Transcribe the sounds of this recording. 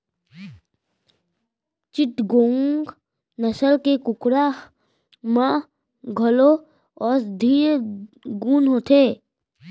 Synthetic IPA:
t͡ʃɪʈɡõːŋɡ | nəsəlkekʊkɾa | mã | ɡʱəlo | ɔːɾd̪ʱiːɾɡuːnɦoːt̪ʰeː

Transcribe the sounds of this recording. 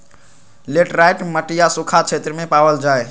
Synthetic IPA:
leːʈɾaːɪʈməʈijasʊkʰat͡ʃʰeːt̪ɾəmẽpaːʋəld͡ʒaːe

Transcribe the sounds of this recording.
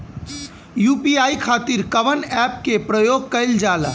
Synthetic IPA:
jupiaikʰat̪iɾkəʋənɛp̚kepɾəjoɡ̚kəɪld͡ʒal̰

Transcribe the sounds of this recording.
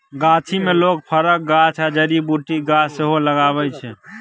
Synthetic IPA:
ɡat͡ʃʰimelok̚pʰəɾək̚ɡat͡ʃʰad͡ʒəɾibuʈiɡaseɦoləɡaβɛt͡ʃʰɛ

